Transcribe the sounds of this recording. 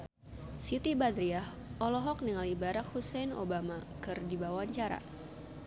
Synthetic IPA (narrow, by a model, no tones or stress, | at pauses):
sit̪ibad̪ɾiah | ʔɔlɔɦɔk̚niŋalibaɾak̚husɛjno̰bamakɨrdibawaɲt͡ʃaɾa̰